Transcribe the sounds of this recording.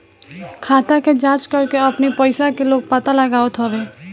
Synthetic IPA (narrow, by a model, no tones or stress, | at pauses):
kʰaːt̪aked͡ʒaːt͡ʃkəɾkeəpnipəɪsakeloːɡ̚pət̪aləɡaːət̪ɦɔʋeː